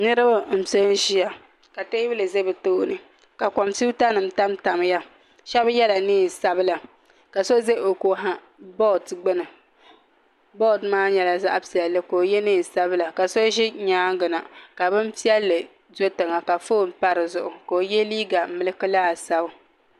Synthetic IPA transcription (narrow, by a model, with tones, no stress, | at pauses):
nɨ˦ɾɨ˦ba˦m̩˨so˦n˦ʒi˦ja˨ | ka˨te˦bɨ˦lɨ˨ze˦bɨ˨toː˦nɨ˨ | ka˨kɔ˨msi˦ta˦nɨ˨m̩˦ta˦mta˨m˦ja˦ | ʃɛ˦bjɛ˦la˨niː˦˨sa˦bɨ˦la˨ | ka˨so˦ze˦˨o˨ko˨ɦa˦ | bɔ˦˨tɡ͡bɨ˦nɨ˨ | bɔ˦˨dmaː˦ɲɛ˨la˨za˦ʔa˦pi˨ɛ˨lːɨ˦ko˨jɛ˦niː˦˨sa˦bɨ˦la˨ka˨so˦ʒi˦ɲaː˦ɡɨ˨na˨ka˨bɨ˦m˦pi˦ɛ˦lːɨ˨ | zo˦tɨ˨ŋa˨ka˨foː˦˨m˦pa˦ɾɨ˨zʊ˨ʔʊ˨ko˨jɛ˦liː˦ɡa˨˦mɨ˦lɨ˦kɨ˦laː˦˨sa˦bʊ˦